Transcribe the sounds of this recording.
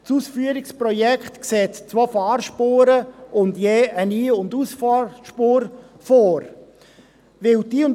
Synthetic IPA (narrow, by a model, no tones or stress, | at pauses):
suːsfyəɾɪkspɾɔjɛkχtkseːtt͡sʋofɑːɾʃpoːɾəʊndjeːʔəniːʊndusfʃpoːɾ | foːɾ | ʋɪldiːʊn